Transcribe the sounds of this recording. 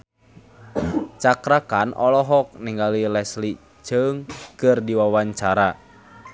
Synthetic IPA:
t͡ʃakɾakanʔɔlɔɦɔk̚niŋɡalilɛsli | d͡ʒ̥əŋkɨrdiwawaɲt͡ʃaɾa

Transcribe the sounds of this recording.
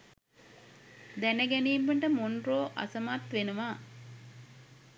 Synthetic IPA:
d̪ænəɡæniːmbəɳʈəmonɾoːʔɐ̰sɐmaːt̪ʋenuʋaː

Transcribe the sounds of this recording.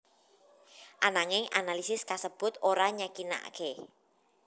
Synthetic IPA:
ʔanaŋɪŋanalisɪskasəb̥ʊt̪oɾaɲakina̰a̰ke

